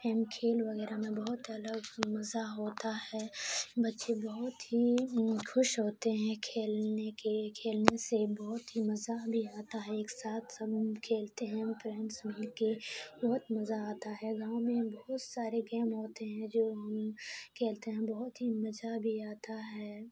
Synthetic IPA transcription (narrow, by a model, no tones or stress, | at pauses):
ɛːmkʰeːlʋɐɣɛːɾamẽbɐɦʊt̪ɐləɡmɐzaɦoːt̪aɦɛːbɐtːʃebɐɦʊt̪ɦixʊʃɦoːt̪eɦɛ̃kʰeːlnekekʰeːlnesebɔɦʊt̪ɦimɐzabʱiaːt̪aɦɛ̃eːksaːt̪ʰsɐbkʰeːlt̪eɦɛ̃pɾɛ̃ːɳʈsmɪlkebɔɦʊt̪mɐzaaːt̪aɦɛɡãːõmẽbɔɦʊt̪saːɾeɡɛːmɦoːt̪eɦɛ̃d͡ʒoːɦɐmkʰeːlt̪eɦɛ̃bɐɦʊt̪ɦimɐd͡ʒabʱiaːt̪aɦɛː